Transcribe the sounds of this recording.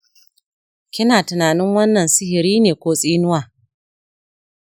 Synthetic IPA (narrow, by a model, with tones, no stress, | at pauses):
kʲɪ˦naː˨tʊ˨naː˨nɪ˦ŋwɐ˦nːɐ˨nsɪ˦hɪ˨ɾiː˦neː˨kʷoː˦sʼiː˦nʊ˦waː˨